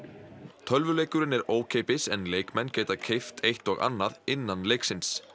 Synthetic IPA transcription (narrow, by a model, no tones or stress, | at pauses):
t̪ʰœlvʏleːjkʏɾɪnɛɾoːwcʰeːjpɪsɛnleːjkmɛnːceːjt̪acʰejft̪ʰejht̪ɔɣa̰nːaðɪnːanlejksɪns